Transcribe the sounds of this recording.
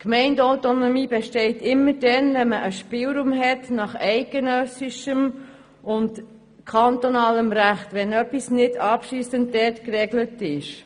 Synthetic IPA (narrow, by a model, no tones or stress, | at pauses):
kmɛɪndawtonomiːbɛʃtɛɪtɪmːəɾdɛnvɛnməʔəʃpɪlɾuːmɦɛtnɑχɛɪɡ̥ənœsiʃəm | ʔʊnt | kʰɑntonɑːləmɾæχtʋɛnœpːisnɪdɑpʃiːsəntdɛtkɾɛɡlətɪʃ